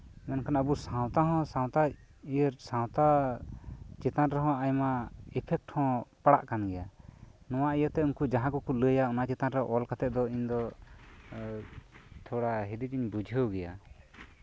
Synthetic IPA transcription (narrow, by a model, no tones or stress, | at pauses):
mɛnkanəbusãw̃t̪aɦɔ̃sãw̃t̪a | iəɾsãw̃t̪a | t͡ʃɛt̪anɾɛɦɔ̃ajmaɛpʰɛk̚ʈhɔ̃paɽa̰ʔkanɡɛjanɔw̃aijət̪ɛunkud͡ʒaɦãkɔkuləjaɔnat͡ʃɛt̪anɾɛʔɔlkat̪ɛt̪̚d̪ɔiɲd̪ɔ | t̪ʰɔɽaɦid̪id͡ʒiɲbud͡ʒʱəwɡɛja̰